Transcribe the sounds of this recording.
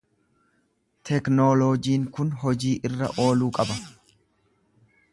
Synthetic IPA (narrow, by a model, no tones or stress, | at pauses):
t̪ɛknoːloːd͡ʒiːŋkʊnɦɔd͡ʒiːʔɪrːɐ̰ʔo̞ːluːkʼɐbɐ